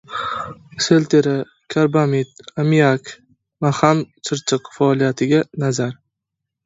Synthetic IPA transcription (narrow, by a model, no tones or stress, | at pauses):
selt̪ʰeɾa | kʲʰaɾbamit̪amijakʲ | mahamt͡ʃʰɨɾt͡ʃʰɨqfaɒlˠijat̪ʰɪɡʲanazaɾ